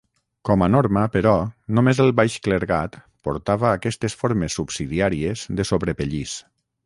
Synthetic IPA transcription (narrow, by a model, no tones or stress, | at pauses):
kɔmanoɾməpəɾɔnomezəlˠβajʃkləɾɣat̪ | poɾt̪aβəːkɛst̪esfoɾmesːubsiðiaɾiezðəsoβɾepəʎis